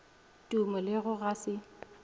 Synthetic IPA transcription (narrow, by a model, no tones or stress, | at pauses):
tʼumʊlɪɣʊɣasɪ